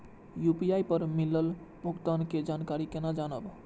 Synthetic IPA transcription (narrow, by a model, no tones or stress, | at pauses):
jupijajpəɾmiləl | bʱəɡt̪anked͡ʒankaɾikenad͡ʒanəb